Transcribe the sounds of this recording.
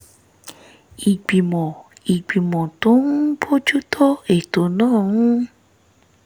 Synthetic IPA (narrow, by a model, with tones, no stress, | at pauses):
i˨ɡ͡bi˨mɔ̃˨i˨ɡ͡bi˨mɔ̃˨to˦nũ˦bo˦d͡ʒu˦tʰɔ˦e˦˨to˨nãː˦˨ũ˦